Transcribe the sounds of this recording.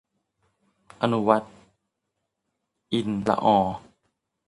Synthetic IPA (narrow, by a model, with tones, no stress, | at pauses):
ʔa˧nu˦wa˦˥t̪̚ | ʔi˧˩nla̰˧ʔɔː˧˩